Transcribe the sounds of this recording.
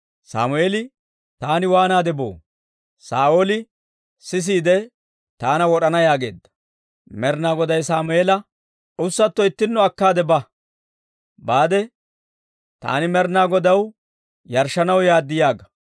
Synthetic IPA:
sa̰ːmʊeːlɪ | t̪aːnɪwaːnaːd̪ɛbo̞̰ː | saːʔoːlɪ | sɪs̬iːd̪ɛ | t̪aːnɐwɔɗɐnɐjaːɡe̞̰ːd̪ːɐ̥ | mɛɾnaːɡɔd̪ɐjsaːmʊeːlɐ | ʊsːɐt̪ːɔɪt̪ːɪnːɔɐkːaːd̪ɛbɐ | baːd̪ɛ | t̪a̰ːnɪmɛɾnaːɡɔd̪ɐw | jɐɾʃɐnɐwjaːd̪ːɪjaːɡɐ

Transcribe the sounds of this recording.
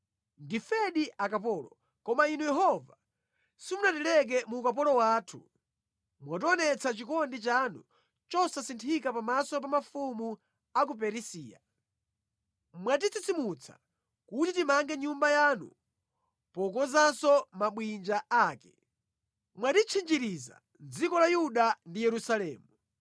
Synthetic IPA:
ndifɛɗiʔakapɔːlɔ | kɔmainujɛɦɔva | sifunatilɛk̬ɛmukap̬ɔlɔwaːtʰu | mwat̬ɔnɛt͡sʰat͡ʃikɔndit͡ʃanṵ | t͡ʃɔsasintʰikapamasɔp̬amafumu | ak̬upɛɾisiːja̰ | mwat̬it͡sʰit͡sʰimut͡sʰḁ̰ | kutitimaŋɡɛɲumbajanṵ | pɔkɔzansɔmaɓwind͡ʒaaːkɛ̥ | mwaɗit͡ʃʰind͡ʒiɾiza̰ | nd͡zikɔlajuɗandijɛɾusalɛːmu

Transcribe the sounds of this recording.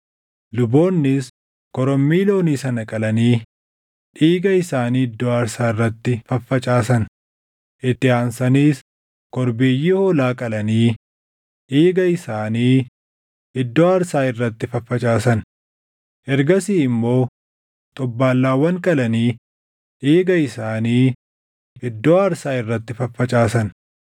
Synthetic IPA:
lʊbo̞ːnːɪs | kɔɾɔmːiːlo̞ːniːsɐnɐkʼɐlɐniː | ᶑiːɡɐɪsaːniːɪd̪ːoɐɾsaːɪrːɐt̪ːɪfɐfːɐt͡ʃʼaːsɐn | ʔɪt̪ːɪaːnsɐniːs | kɔɾbeːjiːhoːlaːkʼɐlɐniː | ʔeːɡɐɪsaːniː | ʔɪd̪ːoːɐɾsaːɪrːɐt̪ːɪfɐfːɐt͡ʃʼaːsɐn | ʔɛɾɡɐsiːɪmːo̞ː | t̪ʼɔbːaːlːaːwːɐŋkʼɐlɐniː | ʔeːɡɐɪsaːniː | ʔɪd̪ːoːɐɾsaːɪrːɐt̪ːɪfɐfːɐt͡ʃʼaːsɐn

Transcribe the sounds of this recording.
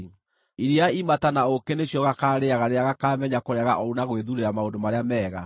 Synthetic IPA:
iɾiaimatanaokeneɕjɔɣakaːɾeaɣaɾeaɣakaːmɛɲakoɾeaɣa̰ʔɔunaɣweðuɾeɾamaondomaɾeamɛːɣa̰

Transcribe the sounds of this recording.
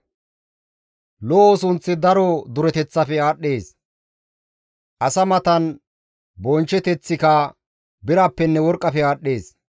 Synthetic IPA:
loːosʊnt͡sːɪd̪ɐɾɔd̪ʊɾɛt̪ɛt͡sːɐfɛaːɗːe̞ːs | ʔɐsɐmɐt̪ɐn | bɔnt͡ʃːɛt̪ɛt͡sːɪkɐ | bɪɾɐpːɛnːɛwɔɾkʼːɐfɛaːɗːe̞ːs

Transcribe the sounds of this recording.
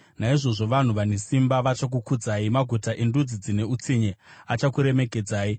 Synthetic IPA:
naiʐo̞ʐo̞ʋan̤uʋanesimbaʋat͡ʃak̬ukud͡zaimaɡʱutaʔe̞ndud͡zid͡zine̞ut͡siɲeat͡ʃakuɾe̞me̞ke̞d͡zaːi

